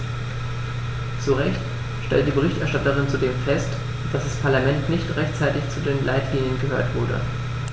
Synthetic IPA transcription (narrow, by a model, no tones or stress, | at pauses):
t͡suʁɛçt | ʃtɛ̰lt̚d̥iːbəʁ̞ɪçtɛɐʃtatəʁ̞ɪnt͡sudeːmfɛst | d̥asd̥aspʰaɐlamɛntnɪçtʁɛçtt͡saɪtɪçt͡sudeːnlʔa̰ɪtɡ̥ɪŋənɡəɦøːɐtv̥ʊɐdə̰